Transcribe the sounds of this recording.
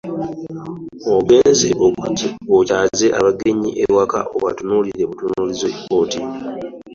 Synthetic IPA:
oɡe̞ːnzḛʔoocaːze̞ʔaβaɡe̞ɲiʔeɾwaka̰ʔoβatunuliɾe̞βutunuːlizekoːti

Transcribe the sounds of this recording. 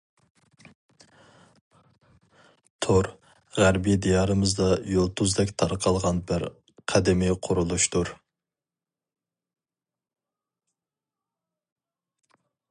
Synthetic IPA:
t̪ʰʊɾ | ʁæɾbijd̪ijɑɾɨmɨzd̪ɑjolˠt̪ʰuzd̪ɛkʲt̪ʰɑɾqʰɑlˠʁɑnbɪɾ | qʰæd̪ɪmiqʰʊɾulˠuʃt̪ʰuɾ

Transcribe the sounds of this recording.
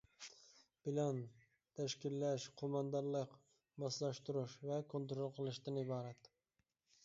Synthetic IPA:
pɪlan | t̪ʰæʃkʲɪlːaʃqʰomɑnd̪ɑɾlˠɨq | bɑslɑʃt̪ʊɾɪʃvakʰont̪ɾolˠqʰɨlˠɪʃd̪anɪbɑːɾat̪

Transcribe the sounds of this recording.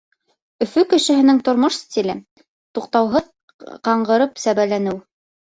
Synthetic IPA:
ɵ̆fɵkɘ̆ʃɘ̆ɦɘ̆nɘŋt̪ŏɾmoʃsʲt̪ʲilɘ | t̪uqt̪ɑwɦɤð | qɑɴɢɤ̆ɾɤpsæβælænɘw

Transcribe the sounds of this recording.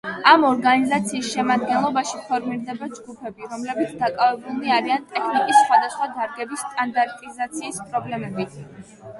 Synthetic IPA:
amɔɾɡanizat̪sʰiːsʃɛmad̪̚ɡɛnlˠɔbaʃipʰɔɾmiɾd̪ɛbad͡ʒɡupʰɛbiɾɔmlɛbit̪sʰd̪akʼavɛbulˠniaɾiant̪ʼɛkʰnikʼisːχwad̪asχwad̪aɾɡɛbisːt̪ʼand̪aɾt̪ʼizat̪sʰiːspʼɾɔblɛmɛbit̪ʰ

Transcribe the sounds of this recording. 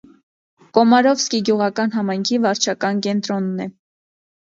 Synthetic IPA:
kɔmɑɾɔvskiɡjuʁɑkɑnɦɑmɑjŋkʰivɑɾt͡ʃʰɑkɑnkɛnt̪ɾɔnːɛ

